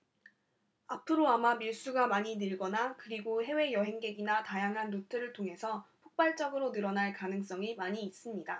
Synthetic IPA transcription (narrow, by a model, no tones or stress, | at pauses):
apʰɯɾoamamiɭs͈uɡamaɲinɯɭɡʌnakɯɾiɡoɦe̞we̞jʌɦe̞ŋɡe̞ɡinatajaŋɦanːotʰɯɾɯɭtʰoŋɦe̞sʰʌpʰok̚p͈aɭt͡ɕ͈ʌɡɯɾonɯɾʌnaɭkanɯŋs͈ʌŋimaɲiːs͈ɯmɲida